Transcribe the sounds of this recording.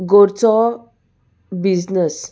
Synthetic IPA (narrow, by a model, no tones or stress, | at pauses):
ɡoɾt͡sɔ | biznəs